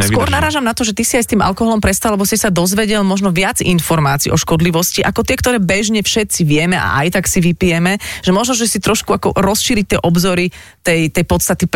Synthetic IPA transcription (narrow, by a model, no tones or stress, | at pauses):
skʊɔɾnaɾaːʒamnat̪ɔʒɛt̪isiajst̪iːmʔa̰lkɔɦɔlɔmpɾɛst̪alɛbɔsisad̪ɔzʋɛɟɛlmɔʒnɔʋɪad͡zḭnfɔɾmaːt͡sḭːʔɔ̰ʃkɔd̪liʋɔsciʔa̰kɔt̪ɪɛkt̪ɔɾɛːbɛʒɲɛfʃɛt̪t͡siʋɪɛmɛʔa̰ʔa̰jt̪aksiʋipijɛmɛʒɛmɔʒnɔʒɛsit̪ɾɔʃkuakɔ̰ɾɔsʃiːɾic̚t̪ɪɛʔɔbzɔɾi | t̪ɛjt̪ɛjpɔt̪st̪at̪i